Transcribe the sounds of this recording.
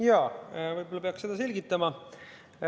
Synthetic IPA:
jɑːvɯjbo̞lɑpeɑkse̞d̪ɑse̞lʲɡit̪ːˑɑmɑ

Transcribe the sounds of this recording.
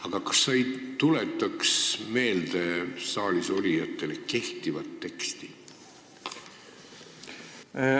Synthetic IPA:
ɑɡ̥ɑkɑ̥sːɑjt̪ule̞t̪ːˑɑksme̞ːld̪̥esɑːliso̞lʲijɑt̪ːˑe̞le̞ke̞ht̪ivɑt̪ːe̞kst̪i

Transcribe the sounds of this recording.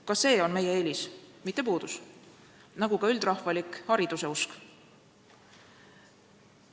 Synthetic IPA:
kɑsːe̞ːo̞nme̞je̞elʲismit̪ˑːe̞puːd̪̥us | nɑɡ̥ukɑyld̪̥rɑhfɑlikhɑɾid̪̥use̞usk

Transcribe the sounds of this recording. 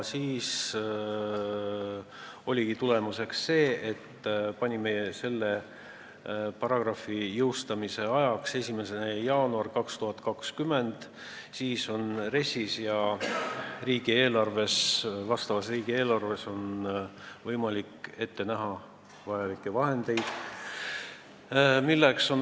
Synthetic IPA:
siːs | o̞lʲiɡit̪ule̞muse̞ksːe̞ːʔet̪ːpɑnʲimese̞lːe̞ | pɑɾɑɡ̥rɑfːijɤwst̪ɑmise̞ɑjɑkse̞sʲime̞senejɑːnuɑrkɑkst̪uɦɑt̪kɑkskyme̞nd̪̥ | siːso̞nre̞sʲisjɑ | riːɡ̥ie̞ːlɑrve̞svɑst̪ɑvɑsriːɡ̥ie̞ːlɑrve̞so̞n | vɤjmɑlikːˑe̞t̪ːe̞næɦɑ | vɑjɑlikːˑevɑɦe̞nd̪̥e̞jd̪̥ | milːekso̞n

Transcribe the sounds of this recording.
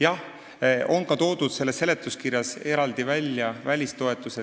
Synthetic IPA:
jɑh | o̞nkɑt̪o̞ːd̪̥ud̪̥se̞lːesːe̞le̞t̪ːˑuskiɾjɑse̞ɾɑld̪̥ivælʲːjɑvælʲist̪o̞e̞t̪ːˑuse

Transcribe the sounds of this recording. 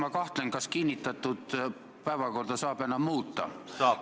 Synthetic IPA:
mɑkɑht̪lenkɑskinʲːit̪ːˑɑt̪ːˑud̪̥ | pæjvɑko̞rd̪̥ɑsɑːb̥enːɑmuːt̪ːˑɑ̰

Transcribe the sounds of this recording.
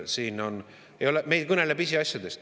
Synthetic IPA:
siːno̞n | ejo̞leme̞jd̪̚kɤnelebisʲiɑsʲjɑd̪e̞st̪

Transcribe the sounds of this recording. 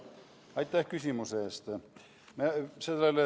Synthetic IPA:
ɑjt̪ʲːæhkysʲimuseːst̪ | meselːelːe

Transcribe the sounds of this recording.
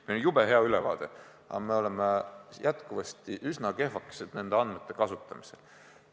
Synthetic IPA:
melonjub̥eɦe̞ɑylevɑ̰ːd̪̥e̞̰ | ɑ̰me̞o̞lemejʔæt̪kuvɑst̪iʔysnɑke̞ɦvɑke̥sed̪̥ne̞nd̪̥eɑnd̪met̪ˑːe̞kɑsut̪ːˑɑmi̥se̞l

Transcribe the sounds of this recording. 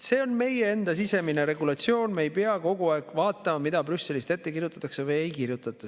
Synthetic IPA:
se̞ːo̞nme̞jeend̪ɑsise̞mine̞ɾe̞ɡulɑt̪sio̞ːnme̞jpeɑko̞ɡuɑekːvɑːt̪ːˑɑmɑmid̪̥ɑbrysːe̞list̪e̞t̪ːe̞kirjut̪ːˑɑ̥t̪ːˑɑksevɨje̞jkirjut̪ːˑɑt̪ːˑɑ

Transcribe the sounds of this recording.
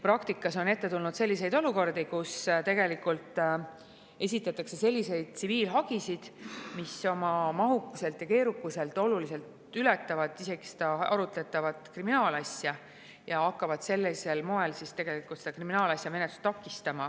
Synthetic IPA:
pɾɑkt̪ikːˑɑso̞ne̞t̪ːe̞t̪ulnud̪̥se̞lʲːis̬e̞jd̪o̞luko̞rd̪ikust̪e̞ɡe̞likːˑult̪ːˑ | e̞s̬ʲit̪ːˑɑt̪ːˑɑkse̞se̞lʲːise̞jd̪̥̚t̪siviːlɦɑɡ̥isid̪̥miso̞mɑmɑɦukːuse̞lt̪jɑke̞ːɾukːˑuse̞lt̪ˑo̞lulise̞lt̪ | ylɛt̪ːˑɑvɑd̪ˑise̞ɡ̥i̥se̥d̪̥ɑɑ̰ɾut̪ˑlet̪ːˑɑvɑd̪̥kriminɑːlɑsʲjɑ | jɑɑkːɑvɑd̪̥se̞lːese̞lmo̞e̞lsist̪e̞ɡ̥e̞likult̪sed̪ɑkriminɑːlɑsʲjɑme̞net̪lu̥st̪ːɑkːist̪ɑmɑ

